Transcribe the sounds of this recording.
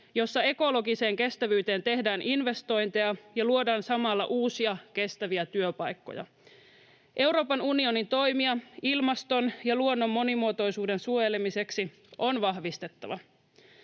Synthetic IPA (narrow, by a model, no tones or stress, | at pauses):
jo̞sːɑe̞ko̞lo̞ɡise̞ːŋke̞st̪æʋyːt̪e̞ːnt̪e̞hdæːnʔinʋe̞st̪o̞jnt̪e̞ɑjɑluo̞dɑːnsɑmɑlːɑ̰ʔuːsiɑke̞st̪æʋiæt̪yøpɑjkːo̰jɑ̰ | ʔe̞wɾo̞ːpɑnunio̞nint̪o̞jmiɑilmɑst̪o̞njɑluonːo̞mːo̞nimuot̪o̞jsuːde̞nsuojelemise̞ksi | ʔo̞nʋɑɦʋist̪e̞t̪ːɑʋɑ